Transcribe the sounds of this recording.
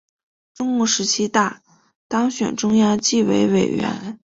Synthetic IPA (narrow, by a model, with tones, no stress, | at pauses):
ʈ͡ʂʊ˥ŋu˥˩ʂɻ̩˧˥t͡ɕʰi˥t̪a˥˩ | t̪ɑ˥ŋɕɥɛ̰˨˩nʈ͡ʂʊ˥ŋja˥ŋt͡ɕi˥˩wḛ˧˥ɪwe˨˩ɪɥɛ̰˧˥n